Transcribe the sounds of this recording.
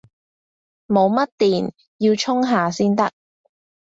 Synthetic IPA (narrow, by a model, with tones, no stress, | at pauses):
mo˨˧wmɐ˥t̚t̪iː˨n | jiː˧wt͡ʃʰʊ˥ŋɦaː˨siː˥nt̪ɐ˥k̚